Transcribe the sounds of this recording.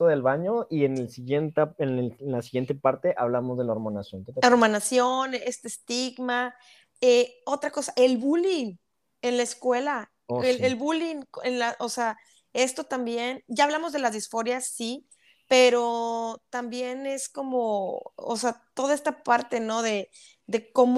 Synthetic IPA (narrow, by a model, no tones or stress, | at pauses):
oðelβaɲo̞ʔienelsiɣjent̪aenenlasiɣje̞nt̪epaɾt̪e̞ʔaβlamozðe̞laoɾmonasjont̪ooɾmonasjo̞nest̪est̪iɡma | eo̞t̪ɾako̞saʔe̞lβulin | e̞nlaeskwela | oeelβulinkenlaʔosea | e̞st̪o̞t̪ambje̞nɟ͡ʝaːβlamo̞zðelazðisfo̞ɾjasi | pe̞ɾo̞t̪ambje̞ne̞sko̞moo̰seat̪o̞ðae̞st̪apaɾt̪e̞no̞ðe̞ | ðe̞ko̞m